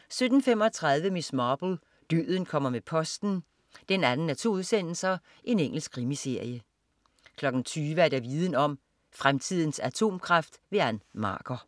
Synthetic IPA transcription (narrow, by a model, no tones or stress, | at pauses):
sød̥n̩fem̰ɒ̽t͡sʰʁɑ̈ðˠʋəmismɑːb̥l̩ | d̥ø̰ːðˠn̩kʰɒ̽m̰ɐmepʰɒ̽sd̥n̩ | d̥enænn̩æt͡sʰo̝uð̩ˠsen̰l̩sɐ | ʔe̝neŋ̰l̩sɡ̥kʰʁimise̝ɐ̰jə | kʰlɒ̽ɡ̥n̩t͡sʰyːʋəæɐd̥æʋiːð̞ˠən̩ɒ̽m̰ | fʁamt͡sʰið̞̰ˠn̩sæt͡sʰo̝̰ːmkʰʁɑfd̥ʋe̝ænmɑ̰̈ːɡ̥ɐ